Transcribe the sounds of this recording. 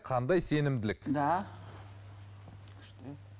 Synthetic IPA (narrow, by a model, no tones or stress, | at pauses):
qʰɑnd̪ɑjse̞nɪmd̪ɪlɪkd̪ɑ | kʲʰɪ̥ʃt̪e